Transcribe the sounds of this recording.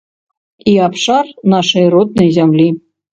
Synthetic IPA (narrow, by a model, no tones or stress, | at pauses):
iɑpʂɑrnɑʂɤjɾot̪̚nɤ̆zʲæmlʲi